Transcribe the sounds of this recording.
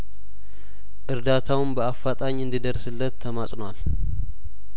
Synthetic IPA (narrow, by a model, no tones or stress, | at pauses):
ʔɨɾd̪at̪ʰawɨmbəafːat̪ʼaɲːɨnd̪id̪əɾsɨlːət̪ʰːəmasʼnwal